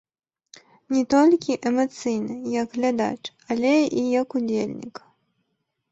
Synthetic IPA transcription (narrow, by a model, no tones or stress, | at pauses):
nʲɛt̪ɔlʲkʲiʔɛmɐt̪sɨjnɨjɐɡɣlʲad̪a̰t͡ʂ | alʲɛijɐkud͡zʲelʲnʲḭk